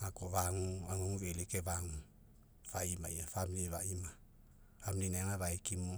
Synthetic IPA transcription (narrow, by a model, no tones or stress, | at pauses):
akoβaŋuaŋoŋuβelekeβaŋu | faimajafaminiβaima | amninaŋaβaekimo